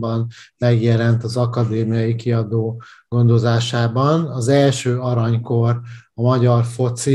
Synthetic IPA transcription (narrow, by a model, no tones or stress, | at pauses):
bɒnmɛɡjɛlɛnt̪ɒzɒkɒd̪eːmijɒjikiɒd̪oːɡ̥o̞nd̪o̞zaːʃaːbɒnɒzɛlʃøːɒɾɒɲko̞rɒmɒɟɒrfo̞t̪si